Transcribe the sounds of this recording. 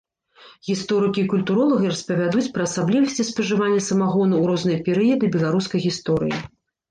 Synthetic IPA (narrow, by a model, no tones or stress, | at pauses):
ɣʲist̪ɔɾɨkʲiːkulʲt̪uɾɔlˠɐɣɨɾɐspɐvʲad̪ut͡sʲpɾɐːsablʲivɐsʲt͡sʲispɐʐɨvanʲːɐsɐmaɣɔnɐwɾɔznɨjɐpʲɛɾɨjɐd̪ɨbʲɛlˠaɾuskɐjɣʲist̪ɔɾɨ̰jḭ